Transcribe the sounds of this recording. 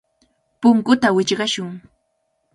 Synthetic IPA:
pʊŋkʊt̪awɪt͡ʃɢɑʃʊŋ

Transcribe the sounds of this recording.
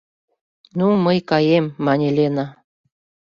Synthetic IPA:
numəjkɑjemːɑnʲelʲenɑ

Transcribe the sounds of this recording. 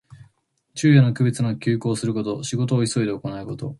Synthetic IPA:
t͡ɕɨːjonokɯ̟bʲet͡sɨnakʲɨːko̞ːsɨɾɯko̞t̪o̞ɕiɡo̞t̪o̞ːiso̞id̪e̞oko̞naiko̞t̪o̞̰

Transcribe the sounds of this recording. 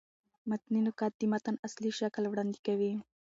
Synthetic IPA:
mat̪ninʊkɑt̪ːimat̪anasliʃaklwɽɑːnd̪ikawi

